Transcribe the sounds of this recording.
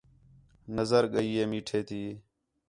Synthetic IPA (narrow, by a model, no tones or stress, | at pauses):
nəzəɾɠəiːeːmiːʈʰeːt̪iː